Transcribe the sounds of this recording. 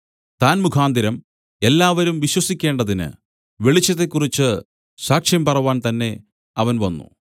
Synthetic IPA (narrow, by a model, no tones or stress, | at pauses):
t̪aːnmukʰaːnd̪iɾɐm | e̞lːaːʋɐɾumʋiɕwɐsikʲːe̞ːɳɖɐðinɨ̰ | ʋe̞ɭit͡ɕːɐt̪ːe̞kːurit͡ɕːɨ | saːkʂjɐmpɐrɐʋaːnt̪ɐnːe̞ | ɐʋɐnʋɐnːṵ